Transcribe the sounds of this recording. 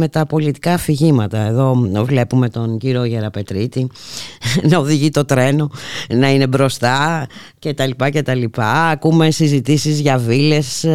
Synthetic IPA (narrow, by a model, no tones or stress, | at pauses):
me̞t̪ɐpo̞lit̪i̥kɐfiʝimɐt̪ɐe̞ðo̞vle̞pume̞t̪o̞nɟiɾoʝe̞ɾɐpe̞t̪ɾit̪i | nɐoðiʝit̪o̞t̪ɾe̞no̞nɐine̞bɾo̞st̪ɐ | ce̞t̪ɐlipɐce̞t̪ɐlipɐːkume̞sizit̪isizʝɐvile̞s